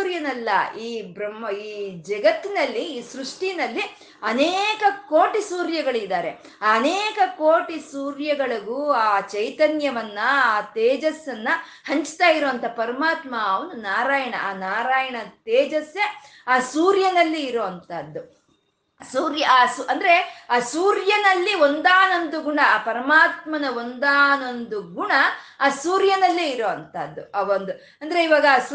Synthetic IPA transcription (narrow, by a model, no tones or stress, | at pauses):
ɾjɐnɐlːɐiːbɾɐmɐiːd͡ʒɐɡɐt̪ːinɐlːiːsɾuʂʈinɐlːi | ɐneːkɐkoːʈisuːɾjɐɡɐɭid̪aːɾe̞ | aːɐneːkɐkoːʈisuːɾjɐɡɐɭɐɡuːaːt͡ʃɐjt̪ɐnjɐʋɐnːɐaːt̪eːd͡ʒɐsːɐnːɐ | hɐɲt͡ʃt̪aːjiɾoʋɐnt̪ʰɐpɐɾɐmaːt̪maɐʋɐnunaːɾaːjɐɳɐʔaːnaːɾaːjɐɳɐt̪eːd͡ʒɐsjɐaːsuːɾjɐnɐlːiːɾoːɐnt̪ɐd̪ːu | suːɾjɐaːsʔɐnd̪ɐɾe̞aːsuːɾjɐnɐlːio̞nd̪aːnond̪uɡuɳɐːpɐɾɐmaːt̪mɐnɐo̞nd̪aːno̞nd̪uɡuɳɐaːsuːɾjɐnɐlːiːɾoːʋɐnt̪ɐd̪ːuɐʋond̪u | ɐnd̪ɐɾe̞iʋaːɡɐːs